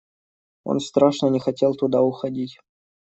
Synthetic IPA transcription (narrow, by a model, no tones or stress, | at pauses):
o̰nst̪ɾaʂnənʲɪxɐtʲelˠt̪ʊd̪aʊxɐdʲitʲ